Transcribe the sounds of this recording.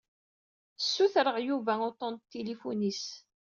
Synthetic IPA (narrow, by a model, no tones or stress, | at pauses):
sːuθɾəʁjuvæot̪ˤɑnt̪t̪ːilifunis